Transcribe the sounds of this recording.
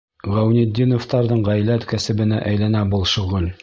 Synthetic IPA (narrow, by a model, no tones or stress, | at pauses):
ʁæwnid̪ʲːinoft̪ɑɾðɤɴʁæjlæt̪kæsɘ̆bɘ̆næʔæjlænæbolˠʃŏʁɘl